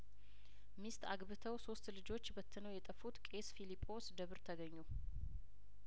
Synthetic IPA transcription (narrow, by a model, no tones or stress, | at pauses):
mist̪ʰa̰ɡbɨt̪ʰəwso̞st̪lɨd͡ʒo̞t͡ʃːbət̪ʰːɨnəwjɛt̪ʼəfut̪kʼe̞sfilipʼːo̞sd̪əβɨɾt̪ʰəɡəɲːu